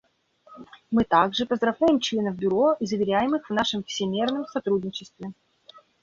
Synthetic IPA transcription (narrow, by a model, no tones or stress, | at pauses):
mɨt̪aɡʐɨpəzd̪ɾɐvojɪmt͡ɕlʲe̞nəvbʲʊɾo̞izəvʲɪɾʲæjɪmɨxvnaʂɨmfsʲɪmʲernəmsɐt̪ɾud̪ʲnʲɪt͡ɕɪst̪vʲɪ